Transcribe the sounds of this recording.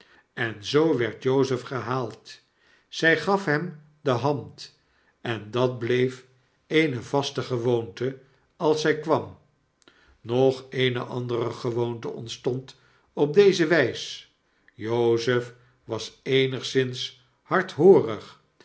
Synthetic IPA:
ɛnzowʋɛɹtjowzəfχəɦaːlˠt | z̥ɛjχɑfɦɛm | dəɦɑnt | ɛndɑt̚blejf | ejnəvɑstəχəʋowntə | ɑlˠsɛjkʋɑm | nɔχejnəʔɑndərəχəʋowntə̰ɔ̰ntstɔnt | ɔp̚dejzəʋɛjs | jowzəf | ʋɑsejnəχsɪns | hɑɹtɦoːrəχ

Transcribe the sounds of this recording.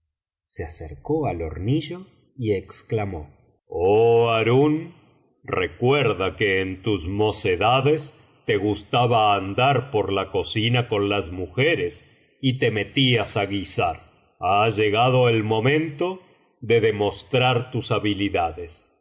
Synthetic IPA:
seaseɾko̞alo̰ɾniʒo̞ | ieksklamo | oaɾun | rekweɾðakeːnt̪uzmo̞se̞ðaðes | t̪e̞ɣust̪aβaːnd̪aɾpo̞ɾlako̞sinako̞nlazmuxeɾes | it̪e̞me̞t̪iasaɣisaɾ | aʒe̞ɣaðo̞elmo̞mẽ̞nt̪o̞ | ðe̞ðe̞mo̞st̪ɾaɾt̪usaβiliðaðes

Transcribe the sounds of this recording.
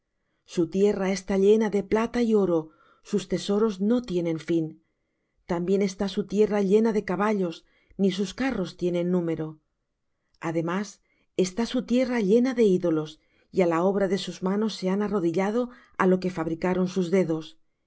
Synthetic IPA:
sut̪je̞rae̞st̪aʎe̞naðe̞plat̪aio̞ɾo̞ | sust̪e̞so̞ɾo̞zno̞t̪je̞nẽ̞ɱfin | t̪ambje̞ne̞st̪asut̪je̞raʎe̞naðe̞kaβaʎo̞s | nis̬uskaro̞st̪je̞nẽ̞nːũme̞ɾo̞ | aðe̞mas | e̞st̪asut̪je̞raʎe̞naðe̞iðo̞lo̞s | ialao̞βɾaðe̞suzmano̞sːe̞anaro̞ðiʎað̞o̞ | a̰lo̞ke̞faβ̞ɾikaɾo̞nsuzðe̞ðo̞s

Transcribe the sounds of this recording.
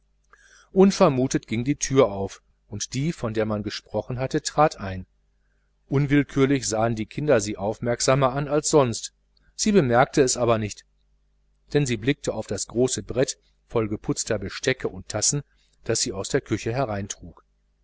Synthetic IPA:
ʔʊnfɛɐmuːtətɡ̥ɪŋdiːtʰyːɐʔaʊf | ʔʊntd̥iːfɔndeːɐmanɡəʃpʁ̥ɔχn̩ɦatətʁ̥aːtʔaɪn | ʔʊnvɪlkʰyːɐlɪçz̥aːəndiːkʰɪndɐziːʔaʊfmɛɐkz̥aːmɐanalsz̥ɔnst | z̥iːbəmɛɐk̚tʰəɛsʔaːbɐnɪçt | d̥ɛnziːblɪk̚tʰəaʊfd̥asɡ̥ʁoːsəbʁɛt | fɔlɡəpʰʊt͡stɐbəʃtɛkʰəʔʊntʰːasn̩ | d̥asz̥iːaʊsd̥eːɐkʰʏçəɦɛʁaɪntʁ̥uːk

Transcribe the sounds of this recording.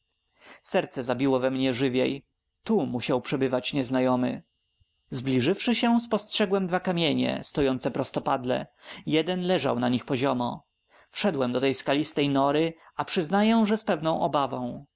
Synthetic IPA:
sɛɾt̪sɛzabʲiwɔvɛmɲɛʐɘvʲjḛj | t̪umuɕawpʂɛbɘvat͡ɕɲɛznajɔmɘ̰ | zblʲiʐɘfʂɘɕɛspɔstʂɛɡwɛmd̪vakamʲjeɲɛ̰st̪ɔjɔnt̪sɛpɾɔst̪ɔpad̪lɛ̰jɛd̪ɛnlɛʐa̰wnaɲixpɔʑɔmɔ̰ | fʂɛd̪wɛmd̪ɔt̪ɛjskalʲist̪ɛjnɔɾɘapʂɘznajɛw̃ʐɛspɛvnɔ̃w̃ʔɔbavɔ̃w̃

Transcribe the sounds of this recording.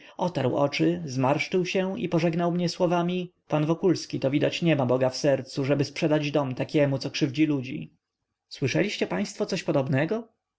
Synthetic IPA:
ɔt̪aɾwɔ̰t͡ʂɘzmaɾʂt͡ʂɘwɕɛḭpɔʐɛɡnawmɲɛswɔvamʲipanvɔkulskʲit̪ɔvʲid̪at͡ɕɲɛmabɔɡafsɛɾt̪suʐɛbɘspʂɛd̪ad͡ʑd̪ɔmt̪akʲɛmut̪sɔkʂɘvd͡ʑilud͡ʑḭ | swɘʂɛlʲiɕt͡ɕɛpaj̃st̪fɔt̪sɔɕpɔd̪ɔbnɛɡɔ

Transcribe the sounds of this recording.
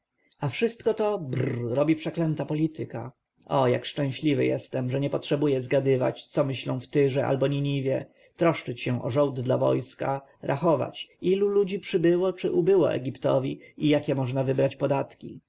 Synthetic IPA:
afʂɘst̪kɔt̪ɔbɾɔbʲipʂɛklɛnt̪apɔlʲit̪ɘka̰ | ɔja̰kʂt͡ʂɛ̃w̃ɕlʲivɘ̰jɛ̰st̪ɛmʐɛɲɛpɔtʂɛbujɛzɡad̪ɘva̰t͡ɕt̪sɔmɘɕlɔ̃w̃ft̪ɘʐɛʔa̰lbɔɲiɲivʲjɛ | t̪ɾɔʂt͡ʂɘt͡ɕɕɛ̃ʔɔ̰ʐɔwd̪d̪lavɔ̰jska̰ | ɾʔaxɔva̰t͡ɕilulud͡ʑipʂɘbɘwɔt͡ʂɘʔubɘwɔ̰ʔɛ̰ɡʲipt̪ɔ̰vʲiijakʲɛmɔʐnavɘbɾat͡ɕpɔd̪at̪kʲḭ

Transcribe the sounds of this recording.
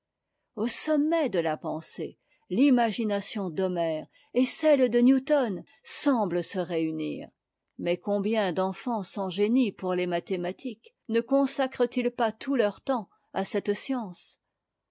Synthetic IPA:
osɔmːɛd̪əlapɑ̃se | limaʒinasjɔ̃d̪ɔmɛʁ | esɛld̪ənjut̪ɔn | sɑ̃bləsəʁeynḭːʁ | mɛkɔ̃bjɛ̃d̪ɑ̃fɑ̃sɑ̃ʒenipuʁlemat̪emat̪ʰik | nəkɔ̃sakχət̪ilpat̪ʰulœʁt̪ɑ̃ | asɛt̪sjɑ̃s

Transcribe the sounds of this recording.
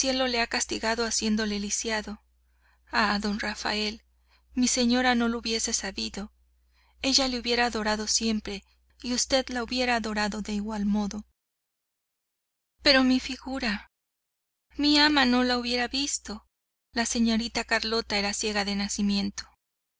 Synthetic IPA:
sje̞lo̞le̞akast̪iɣaðo̞asje̞nd̪o̞lelisjaðo̞ | aðo̞nrafa̰e̞l | mise̞ɲo̞ɾano̞louβje̞se̞saβiðo̞ | e̞ʝale̞uβje̞ɾaːðo̞ɾaðo̞sje̞mpɾe̞ | iust̪e̞ðlauβje̞ɾaːðo̞ɾaðo̞ðe̞iɣwalmo̞ðo̞ | pe̞ɾo̞mifiɣuɾa | miamano̞lauβje̞ɾaβist̪o̞ | lase̞ɲo̞ɾit̪akaɾlo̞t̪ae̞ɾasje̞ɣaðe̞nasimje̞nt̪o̞̥

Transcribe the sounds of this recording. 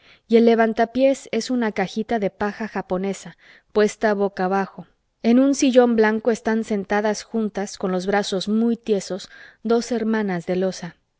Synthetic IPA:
ie̞lːe̞βant̪apje̞se̞sunakaxit̪aðe̞paxaxapo̞ne̞sa | pwe̞st̪aːβo̞kaːβaxo̞ | e̞nũnsiʝo̞mblaŋko̞e̞st̪anse̞nt̪aðasxunt̪asko̞nlo̞zβɾaso̞zmujt̪je̞so̞zðo̞se̞ɾmãnazðe̞lo̞sa

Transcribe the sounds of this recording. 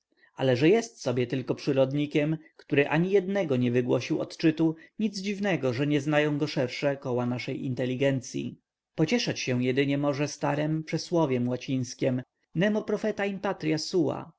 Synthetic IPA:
alɛʐɛjɛst̪sɔbʲjɛt̪ɘlkɔpʂɘɾɔd̪ɲikʲɛmkt̪uɾɘʔaɲijɛd̪nɛɡɔɲɛvɘɡwɔɕiwɔ̰t̪t͡ʂɘt̪uɲid̪zd͡ʑivnɛɡɔʐɛɲɛznajɔ̃w̃ɡɔʂɛɾʂɛkɔwanaʂɛjḭnt̪ɛlʲːiɡɛnt̪sʲjḭ | pɔt͡ɕɛʂat͡ɕɕɛw̃jɛd̪ɘɲɛmɔʐɛst̪aɾɛmpʂɛswɔvʲjɛmwat͡ɕĩj̃skʲɛm | nɛmɔpɾɔfɛt̪aimpat̪ɾʲjasuwa̰

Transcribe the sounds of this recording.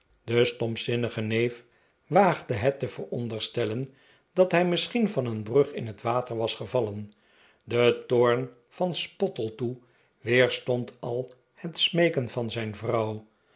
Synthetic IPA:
dəstɔmpsɪnəχənejf | ʋaːχdəɦɛtəvəɹɔ̰ndəɹstɛlən | d̥ɑtɦɛjmɪsχinvɑnənbrɵχɪ̰nɦətʋaːtəɹʋɑsχəvɑlən | dətoːɹn | v̥ɑnspɔtəlˠtu | ʋɪːɹstɔntʰɑlˠ | hətsmejkənvɑnzɛjnvrɑw

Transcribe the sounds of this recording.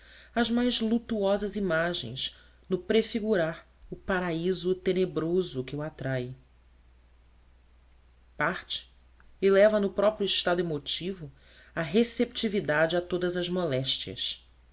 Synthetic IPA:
ɐzmajzlut̪uɔzɐzimaʒḛ̃j̃ʃ | nʊpɾefiɡuɾaɾ | ʊpaɾaizʊt̪enebɾozʊkɪuat̪ɾaj | paχt͡ʃɪ̥ | ɪlɛvɐnʊpɾɔpɾjʊiʃt̪ad̪ʊemot͡ʃivʊ | ɐɦesep̚t͡ʃivid̪ad͡ʒɪat̪od̪ɐzɐzmɔlɛʃt͡ʃiɐ̰s

